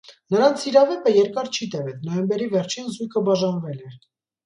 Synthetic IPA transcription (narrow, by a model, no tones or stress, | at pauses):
nəɾɑnt͡sʰiɾɑvɛpəjɛɾkɑɾt͡ʃʰit̪ɛvɛt͡snɔjɛmbɛɾivɛɾt͡ʃʰinzujkʰəbɑʒɑnvɛlɛɾ